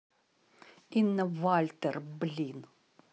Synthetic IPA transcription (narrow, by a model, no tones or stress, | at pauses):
inːɐvalʲt̪ɛrblʲin